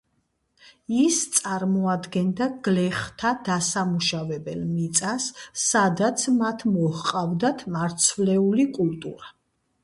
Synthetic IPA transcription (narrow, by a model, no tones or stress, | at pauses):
ist̪sʼaɾmɔad̪ɡɛnd̪aɡ̥lɛχt̪ʰad̪asamuʃavɛbɛlmit̪sʼasːad̪at̪sʰmat̪ʰmɔhqʼavd̪at̪ʰmaɾt̪sʰvlɛulikʼult̪ʼṵɾa